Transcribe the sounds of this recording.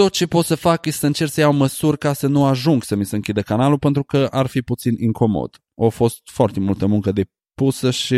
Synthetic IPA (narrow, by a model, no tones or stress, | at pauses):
t̪o̞t̪̚t͡ʃe̞po̞t̪səfakjest̪səɨnt͡ʃe̞rt̪səjawməsurʲkasənuaʒuŋɡsəmisəɨŋkʲid̪əkanalupe̞nt̪ɾukəʔarfiput̪sinʔiŋko̞mo̰d̪̥ | ofo̞st̪foart̪e̞mult̪əmuŋkəd̪e̞ | pusəʃi